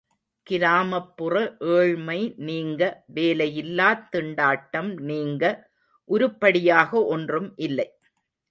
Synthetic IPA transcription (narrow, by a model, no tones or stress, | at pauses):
kɪɾaːmɐpːɯrɐʔeːɻmɐɪniːŋɡɐʋeːlɐjɪlːaːt̪ːɪɳɖaːʈːɐmniːŋɡɐ | ʔʊɾɯpːɐɽɪjaːɣɐʔɔndrɯmʔɪlːɐɪ